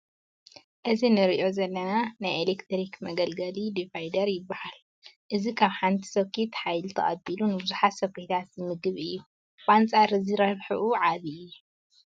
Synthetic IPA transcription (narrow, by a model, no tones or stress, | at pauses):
ʔɨzinɨɾiʔio̞zɐlːɐnanajelekt̪ʰɾikʰmɐɡɐlɡɐlid̪ifajd̪ɐɾjɪbːahal | ʔɨzikʰaβħant̪ʰi̥sokʰːit̪ħajlt̪ʰɐ̰χʼɐbilunɨbɨzuħat̪sɐkuit̪ʰat̪zɨmɨɡɨβɨjːu | bant͡sʼaɾɨziɾɐβħɨʔuʕaβijːu